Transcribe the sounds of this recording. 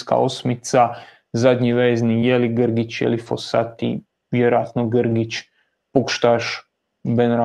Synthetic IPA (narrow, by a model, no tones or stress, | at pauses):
ska̰osmit̪sa | zad̪ɲiʋeːznijeliɡəɾɡit͡ɕjḛlifo̰sa̰t̪ḭ | ʋjeɾojat̪noɡəɾɡit͡ɕ | pokʃt̪aʃ | benɾa